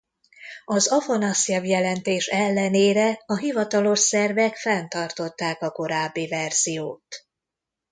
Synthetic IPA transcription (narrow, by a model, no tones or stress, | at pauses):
ɒzɒfonɒsɛvjɛlɛnt̪eːʃɛlːɛneːɾɛɒɦivɒt̪ɒlo̞ʃsɛrvɛkfɛnt̪ɒrt̪o̞t̪ːaːkɒko̞ɾaːbːivɛrz̥ijoːt̪